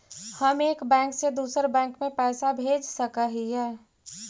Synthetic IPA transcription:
həmeːkbɛ̃ːŋksed̪uːsəɾbɛ̃ːŋkmẽpɛːsabʱeːd͡ʒsəkəɦijɛː

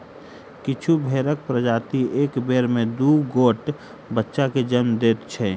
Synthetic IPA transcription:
kɪt͡ʃʰubʱeːɾək̚pɾəd͡ʒaːt̪ieːkbeːɾmẽd̪uɡoːʈ | bətːʃaked͡ʒənmd̪eːt̪t͡ʃʰɛː

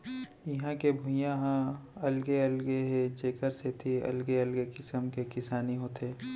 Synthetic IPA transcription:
jɐɦãkebʱʊ̃jãɦãɐlɡeɐlɡeɦed͡ʒeːkəɾset̪ʰiɐ̰lɡeɐlɡekɪsəmkekɪsaːniɦoːt̪eː

